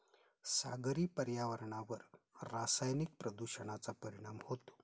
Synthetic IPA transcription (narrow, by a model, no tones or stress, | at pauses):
sa̰ɡɾiːpəɾjaʋəɾɳaʋəɾː | asajnik̚pɾəd̪uɕəɳ̃at͡sapəɾiɽ̃amhot̪o̥